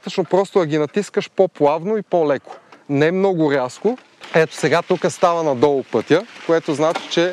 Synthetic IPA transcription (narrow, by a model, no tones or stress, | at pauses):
t̪ət͡ʃnopɾɔst̪oɐɡʲinɐt̪iskəʃpoplˠavnoipolɛko̥nɛmnɔɡʊɾjasko | ɛt̪o̥sɛɡat̪ukəst̪avɐnɐd̪ɔlˠpɤt̪ʲjəkoɛt̪oznat͡ʃi̥t͡ʃɛ